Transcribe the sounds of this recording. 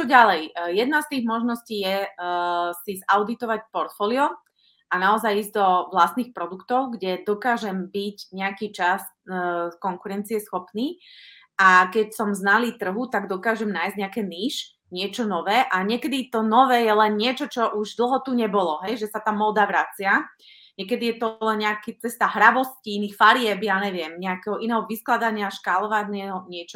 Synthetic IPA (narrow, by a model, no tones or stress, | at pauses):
t͡ʃɔɟalɛjjɛd̪nast̪iːɣmɔʒnɔsciːjɛ | sizaʊd̪it̪ɔʋacpɔɾt̪fɔːliɔ | ʔanaɔzajiːzɟd̪ɔʋlast̪niːxpɾɔd̪ukt̪ɔʊɡɟɛd̪ɔkaːʒɛmbiɟɲɛakiːt͡ʃas | kɔŋkuɾɛnt͡siɛsxɔpniː | ʔakɛcsɔmznaliːt̪r̩ɦut̪aɡd̪ɔkaːʒɛmnaːjzɟɲɛakɛːniːʃ | ɲɪɛt͡ʃɔnɔʋɛːʔaɲɪɛkɛd̪it̪ɔnɔʋɛːjɛlɛnɲɪɛt͡ʃɔt͡ʃɔʔuʒd̪l̩ˠɦɔt̪uɲɛbɔlɔɦɛjʒɛsat̪aːmɔːd̪aʋɾat͡sɪa | ɲɛkɛd̪ijɛt̪ɔlɛnɲɛakit͡sɛst̪aɦɾaʋɔsciinixfaɾɪɛbjaːɲɛʋɪɛmɲɛakɛɦɔʔinɛːɦɔʋisklad̪aɲɪaʃkalɔʋaɟnɛɦɔɲɪɛt͡ʃɔ